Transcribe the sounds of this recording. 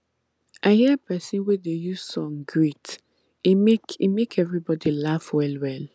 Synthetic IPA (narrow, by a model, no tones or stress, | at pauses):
ʔaɪhiəpʰɛsĩnwedejuz̥sɔ̃ŋɡɹit | imekimekʰɛvɹibɔdilafwɛlwɛl